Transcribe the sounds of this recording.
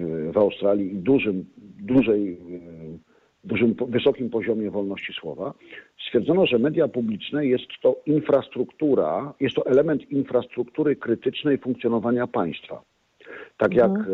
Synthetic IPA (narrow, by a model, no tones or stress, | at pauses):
vawst̪ɾalʲjiːd̪uʐɘmd̪uʐɛj | d̪uʐɘmvɘsɔkʲimpɔʑɔmʲjɛvɔlnɔɕt͡ɕiswɔ̰vast̪fʲjɛɾd̪zɔnɔʐɛmɛd̪japublʲit͡ʂnɛjɛst̪ːɔinfɾast̪ɾukt̪uɾa̰jɛst̪ːɔʔɛlɛmɛnt̪infɾast̪ɾukt̪uɾɘkɾɘt̪ɘt͡ʂnɛjfuŋk̚t̪sʲjɔnɔvaɲapaj̃st̪fa̰ | t̪akjak